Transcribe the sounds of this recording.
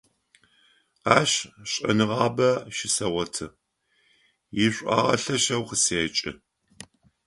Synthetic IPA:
aːɕɕʼɐ̰nɨʁɑːbɐʃɪsɐʁʷɔtʰɨ | jɪɕʷʼa̰ːʁɐ̰ɬɐʃɐwqəseːt͡ʃʼɪ̰

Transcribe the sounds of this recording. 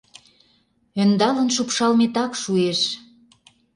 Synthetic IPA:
ønd̪ɑlə̆nʃupʃɑlmet̪ɑkʃueʃ

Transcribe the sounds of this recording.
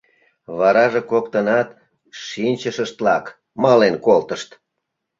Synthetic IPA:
βɑɾɑʒekokt̪ənɑt̪ | ʃinʲt͡ɕəʃəʃt̪lɑk | mɑlenkolt̪əʃt̪

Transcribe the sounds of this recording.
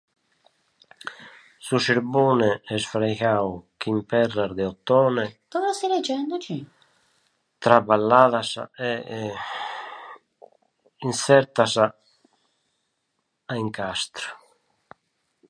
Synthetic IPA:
susiɾbunɛɛsfɾɛjɣawk̟impɛrːaɾd̪ɛɔt̪ːɔːnɛk̪ɔvasilɛd͡ʒɛnd̪ot͡ʃi | t̪ɾabalːaːðasa̰ɛ | insɛɾt̪asa | aiŋkast̪ɾu̥

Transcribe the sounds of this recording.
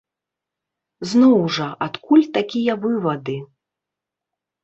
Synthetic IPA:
znɔwʐɐʔat̪kulʲt̪akʲijɐvɨvɐd̪ɨ

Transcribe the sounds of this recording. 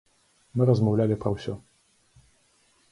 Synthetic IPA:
mɨɾɐzmɐwlʲalʲipɾɐwsʲɔ

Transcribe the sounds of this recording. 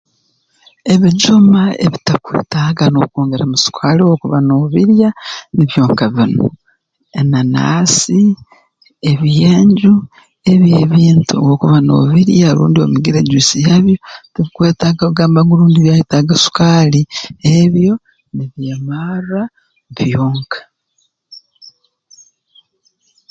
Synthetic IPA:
e̞βid͡ʒumaḛβitakwḛːtaɡanoukoːŋɡeɾamusu̥kʰaːliwokuβanoːβiɾjaniβjo̞ːŋkaβino̰ | enana̰ːsi | eβjeːɲɟu | eβjeːβiːntuowokuβano̰ːβiɾjalṵːndio̞̰miɡiɾeɟiːsijaβjotiβikwe̞ːtaɡaβuɡaːmbaŋɡoluːndiβjajitaɡasu̥kaːlieβjo̞ | niβjeːmara | βjoːŋkʰḁ

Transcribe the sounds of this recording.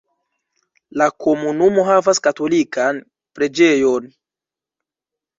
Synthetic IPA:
lakʰo̞munumo̞ɦavaskato̞likʰan | pɾe̞d͡ʒe̞jo̞n

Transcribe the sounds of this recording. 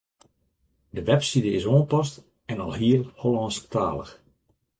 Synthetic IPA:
dəʋɛpsidəɪsoːnpɔs̬t | ɛnɑlˠɦiəlholˠɔːnsktʰa̰ːlˠə̰x

